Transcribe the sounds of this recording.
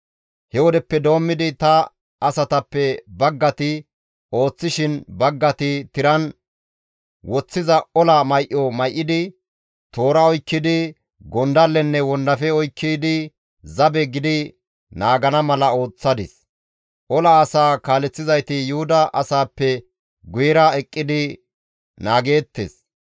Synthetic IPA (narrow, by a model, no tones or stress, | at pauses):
hɛwɔd̪ɛpːɛd̪o̞ːmːɪd̪ɪt̪ɐ | ɐsɐt̪ɐpːɛbɐɡːɐt̪ɪ | o̞ːt͡sːɪʃɪnbɐɡːɐt̪ɪt̪ɪɾɐn | wɔt͡sːɪzɐɔlɐmɐjʔːɔmɐjʔːɪd̪ɪ | t̪o̞ːɾɐɔjkːɪd̪ɪ | ɡɔnd̪ɐlːɛnːɛwɔnd̪ɐfɛɔjkʰːiːd̪ɪ | zɐbɛɡɪd̪ɪ | naːɡɐnɐmɐlɐo̞ːt͡sːɐd̪ɪ̰s | ʔɔlɐːsaːkaːlɛt͡sːɪzɐjt̪ɪjʊhʊd̪ɐʔɐsaːpːɛ | ɡʊjɛɾɐɛkʼːɪd̪ɪ | naːɡe̞ːt̪ːḛs